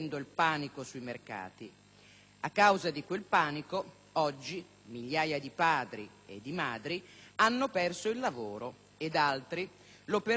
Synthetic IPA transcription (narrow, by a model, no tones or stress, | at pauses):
nd̪oilpaːnikosuimerka̰ːt̪i | akːawzad̪ikwelpaːniko | ɔd͡ʒːi | miʎːaːjad̪ipaːd̪ɾi | ḛd̪ːimaːd̪ɾianːopɛrsoilːavoːɾo | ed̪alt̪ɾi | lope